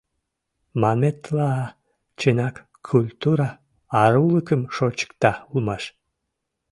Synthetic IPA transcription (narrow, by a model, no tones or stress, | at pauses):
mamet̪la | t͡ɕenak | kʰːulʲt̪uɾa | ɑɾulˠɨkəmʃot͡ɕɨ̥kt̪aulˠmɑʃ